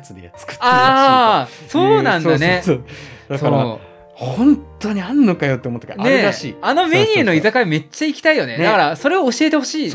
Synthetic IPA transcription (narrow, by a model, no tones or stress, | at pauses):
at͡sɨd̪eja̰t͡sɨ̥kɯ̥t̪ːaː | so̞ːnãnane̞sod̪̥asokaɾa̰ | hõnt̪o̞ɲ̟iãnːokajo̞t̪ːeomot̪ːakinae̞ɾaɕḭːano̞me̞ɲ̟ʲɯ̟ːno̞izakaime̞t͡ɕːaikʲi̥t̪aijo̞ne̞nd̪akaɾaso̞ɾe̞o̞ːɕie̞t̪eho̞ɕiː